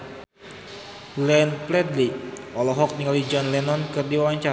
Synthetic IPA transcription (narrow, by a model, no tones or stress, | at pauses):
lɛnplɛd̪liʔɔlɔɦɔk̚niŋalid͡ʒɔnlɛnɔnkɨrdiwawaɲt͡ʃa